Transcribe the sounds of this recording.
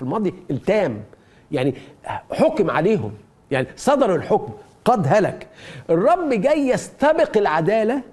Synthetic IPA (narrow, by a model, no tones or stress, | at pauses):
ilmɑːd̪ˤjiʔelt̪æːm | jaʕniħokmʕa̰leːɦʊ̰m | jaʕnisˤɑd̪ɑɾˤelħokm | qɑd̪ɦælækʔerˤːɑbːɡæjːæst̪ɑbɪqɪlʕad̪æːlæ